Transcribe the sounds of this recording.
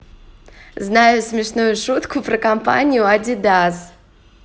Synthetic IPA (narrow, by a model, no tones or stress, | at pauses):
znajʊsmʲɪʂnujʊʂut̪kʊpɾəkɐmpa̰nʲɪjʊad̪ʲid̪az